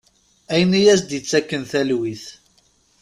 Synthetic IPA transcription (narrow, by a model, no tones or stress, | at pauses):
æjənijæsd̪jət͡sːækːənθælwiθ